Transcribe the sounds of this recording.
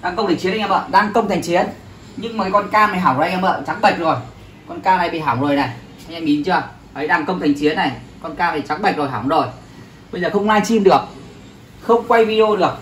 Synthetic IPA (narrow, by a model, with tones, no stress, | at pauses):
ɗaː˧ŋkə˧wŋ͡mt̪ʰŋt͡ɕi˨˦nʔŋ˨aː˧˩ɓə̰ː˧˨ɗaː˧˩ŋkə˧wŋ͡mt̪ʰa˨˩jŋ̟t͡ɕi˨˦ən | ɲɨ˧ŋma˨˩ka˨˦kɔ˧nkaː˧ma˨˩jɦaː˧˩wo˨˩˨ŋ˨aː˧˨ɓə̰ː˧˨t͡ɕa˨˦˥k̚ɓə˨˩jk̚zo˨˩j | kɔ˧nkaː˧laː˨˩jɓḭ˧˨ɦaː˧˩wŋ͡mzo˨˩jna˨˩j | a˧ŋʔa˧ŋmi˨˦nt͡ɕɨ˧ə | ʔə˨˦jɗaː˧˩ŋkə˧wŋ͡mt̪ʰjŋ̟t͡ɕi˨˦ənːa˨˩jkɔ˧nkaː˧ma˨˩jt͡ɕa˨˦kɓə˨˩k̚zo˨˩jɦaː˧˩wŋ͡mzo˨˩j | ɓə˧jzəː˨˩xə˧wŋ͡mlaː˧nt͡ɕi˧mɗɨ˨˩ək̚ | xə˧wŋ͡mkwa˧jvi˧ɗi˧o˧ɗɨ˨˩ək̚